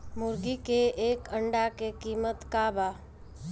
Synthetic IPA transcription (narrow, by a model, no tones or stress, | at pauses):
mʊɾɡikeeːkəɳɖakekiːmət̪kaːba